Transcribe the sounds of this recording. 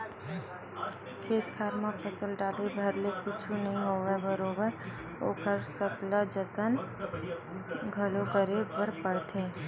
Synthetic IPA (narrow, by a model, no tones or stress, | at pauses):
kʰeːt̪kʰaːɾmãpʰəsəlɖaːlebʱəɾlekʊt͡ʃʰũnəɦĩɦoːʋebəɾoːbəɾ | o̰ːkəɾsəklad͡ʒət̪ən | ɡʱəlokəɾebəɾpəɽt̪ʰeː